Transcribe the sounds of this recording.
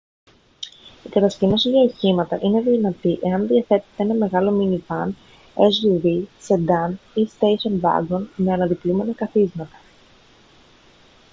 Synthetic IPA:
ikɐt̪ɐscino̞siʝɐiçimɐt̪ɐʔine̞ðinɐt̪iʔe̞ɐnðiɐθe̞t̪e̥t̪ee̞nɐme̞ɣɐlo̞minivɐn | esʝuvised̪ɐnist̪ejsonbɐ̰ɡonme̞ɐnɐðiplume̞nɐkɐθizmɐt̪ɐ̥

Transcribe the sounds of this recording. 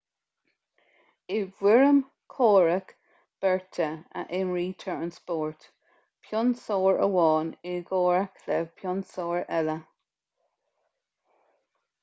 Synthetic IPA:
ɪvwɪɹəm | kʰoːɹək | b̥ɛɹtʰəə̰ʔɪnɹiːtʰəɹənspɔːɹt | pʰjɔnsoːɹə̰wɑːnɪɡoːɹəklɛvpʰjɔnsoːɹɛlə

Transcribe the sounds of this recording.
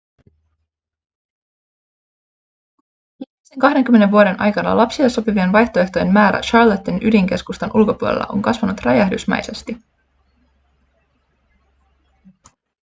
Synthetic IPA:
mieseŋkɑɦde̞ŋkymːe̞neʋuo̞ɾe̞nʔɑ̰jkɑnɑ̰lɑpsieso̞pivienʋɑjht̪oe̞ht̪o̞jemmæːɾæ̰ʃɑrlot̪ːinʔydiŋk̟e̞skust̪onʔulko̞puolḛlːɑ̰ʔo̞̰ŋkɑsʋɑnut̪rɑjæhdysmæ̰jse̞st̪i

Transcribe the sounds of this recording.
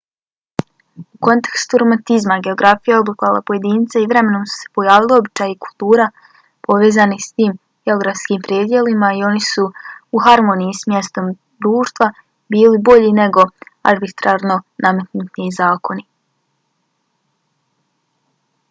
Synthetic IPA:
uko̞nt̪ekst̪uɾo̞mant̪izmaɡe̞oɡɾafijao̞blikalˠa̰po̞je̞d̪iːnt̪saiʋɾe̞me̞no̞msu̥se̥po̞jaːʋilˠio̞bit͡ʃaːjiku̥lˠt̪uːɾa | po̞ʋe̞ːzanist̪iːm | ɡ̥eo̞ɡɾafskiːmpɾjeːd̪je̞limaio̞nisuuɦaɾmo̞nijismje̞st̪o̞m | d̪ɾuːʃt̪ʋa | biːlibo̞ʎine̞ɡo̞a̰ɾbit̪ɾaɾno̞name̞t̪nut̪nizaːkʰo̞ni

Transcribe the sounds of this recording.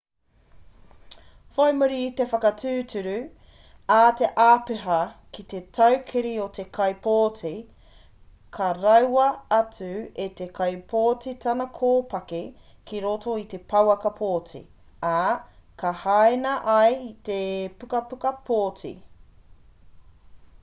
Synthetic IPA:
fojmuɾit̪efɐkɐtʰʉːtʉɾʉ | ate̞ʔaːpeɦɐkit̪e̞tʰɐwkʰiɾiot̪ʰe̞kʰɐjpoːtʰi | kʰɐɾɐwɐɐtʉet̪ekʰɐjpʰoːtitʰɐnɐkʰoːpɐke | kiɾoto̞it̪e̞pʰɐwɐkɐpʰoːtḭ | akʰɐhaenɐʔɐjt̪epukɐpukɐpʰoːtḭ

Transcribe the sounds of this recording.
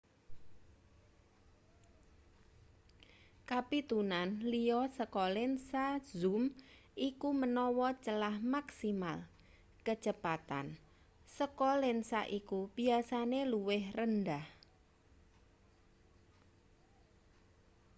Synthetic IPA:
kapit̪unanlijɔsəkɔlɪnsazumʔikumənɔwɔt͡ʃəlahmaksimal | kə̥d͡ʒ̥əpat̪a̰n | səkɔlɪnsaʔikub̥iasaneluwɪhrəndah

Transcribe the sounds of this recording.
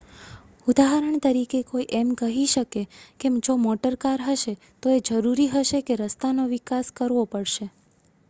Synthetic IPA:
ud̪aɦəɾəɳ̃t̪əɾikekoiʔɛmkəɦiʃəkekemd͡ʒomɔʈəɾkaɾɦəʃe | t̪oed͡ʒəɾuɾiɦəʃekeɾəst̪anoʋikaskəɾʋopəɽʃe

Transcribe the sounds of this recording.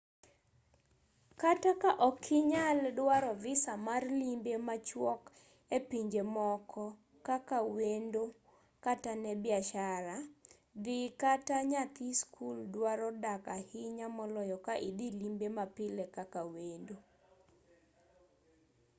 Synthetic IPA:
katakaʔɔkʰɪɲaldwaɾɔvɪsamarlimbemat͡ʃwɔk | epiɲd͡ʒemɔkʰɔ | kakawendo | katanɛbɪaʃaɾa | d̪ɪkataɲakiskʰuldwaɾɔdakahɪɲamɔlɔjɔkaʔidilimbemapɪlɛkakawendo

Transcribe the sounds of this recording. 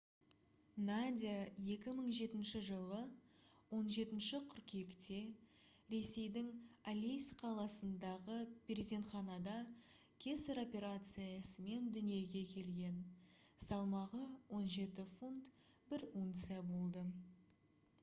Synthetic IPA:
nad̪ʲijaje̞kʲɪməɴʒe̞t̪ɪnʃɪʒəlˠə | wo̞nʒe̞t̪ɪnʃɪqʰʏɾkʲe̞kt̪e̞ | ɾe̞se̞jd̪ɪŋalʲijsqʰɑlˠɑsənd̪ɑʁəbʲeɾzʲe̞nχɑnɑd̪ɑ | kʲʰe̞seɾo̞pʲe̞ɾat̪sɨjɑsəme̞nd̪ʏnije̞ɡʲe̞kʲʰe̞lɡʲe̞nsɑlˠmɑʁəwo̞nʒe̞t̪ɪfunt̪ | bɪɾuŋt̪sɨjabo̞lˠd̪ə

